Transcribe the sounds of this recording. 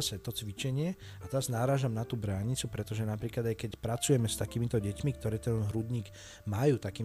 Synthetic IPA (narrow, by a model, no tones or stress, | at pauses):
sɛt̪ɔt͡sʋit͡ʃɛɲɪɛ | at̪ɛɾaznaɾaːʒamnat̪uːbɾaːɲit͡supɾɛt̪ɔʒɛnapɾiːklad̪ajkɛcpɾat͡sujɛmɛst̪akiːmit̪ɔɟɛcmikt̪ɔɾɛːt̪ɛnɦɾud̪ɲiːɡ | majuːt̪akiː